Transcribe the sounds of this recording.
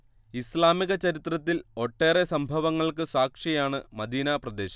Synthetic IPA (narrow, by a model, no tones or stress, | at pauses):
islaːmiɣɐt͡ɕɐɾit̪rɐt̪ːilo̞ʈːe̞ːre̞sɐmbʱɐʋɐŋːɐɭkɨsaːkʂijaːɳɨmɐd̪iːnɐprɐd̪e̞ːɕɐ̥